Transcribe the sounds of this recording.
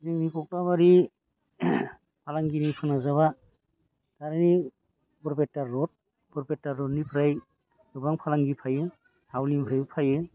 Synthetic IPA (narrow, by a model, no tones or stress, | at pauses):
zɯŋnikɔk̚labaɾi | pʰalaŋɡinipʰɯnazaβa | taɾani | bɔɾpetːaɾːɔt̚ | pɔɾpetːaɾːɔtnipʰɾaj | dɯbaŋpʰalaŋɡipʰajɯ | hawnimpʰɾajpʰajɯ